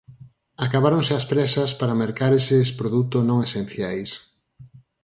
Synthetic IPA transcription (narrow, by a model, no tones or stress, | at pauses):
akaβaɾoŋsɪɐspɾɛsɐspaɾameɾkaɾesespɾoðut̪oznõŋesẽn̟θjajs